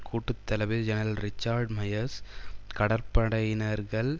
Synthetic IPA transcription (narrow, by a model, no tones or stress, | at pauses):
kʰuːʈːɯt̪ːɐlɐʋɪɾd͡ʒɛnɐɾɐlɾɪt͡ʃːaːɾɖmɐjɐɾskɐɽɐɾpɐɽɐjɪnɐɾɣɐɭ